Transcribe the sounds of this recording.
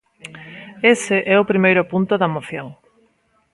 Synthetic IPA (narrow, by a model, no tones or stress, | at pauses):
esɪʔɛʊpɾimejɾʊpunt̪ʊðɐmoθjoŋ